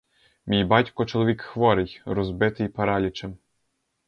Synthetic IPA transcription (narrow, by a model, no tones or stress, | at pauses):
mʲijbɑtʲkɔt͡ʃɔlˠɔʋʲikxʋɔɾɪjɾɔzbɪt̪ɪjpɐɾɑlʲit͡ʃɛm